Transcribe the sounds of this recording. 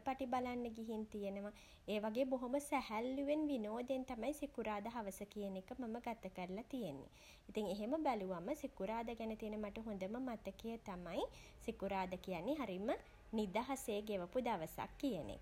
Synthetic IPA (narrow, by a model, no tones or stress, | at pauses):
paʈibalanːəɡiɦint̪ijenəʋa | eːʋaɡeːboɦoməsæhælːuʋenʋinoːd̪ent̪amajsikuɾaːd̪ɐɦaʋəsəkijənekəmaməɡat̪əkəɾəlat̪ijenːḛ | it̪iŋeɦeməbæluʋaməsikuɾaːd̪əɡænət̪ienəmaʈəɦond̪əməmat̪əkejət̪amaj | sikuɾaːd̪əkijanːiɦaɾimə | nid̪aɦaseːɡeʋəpud̪aʋəsa̰kːijənḛ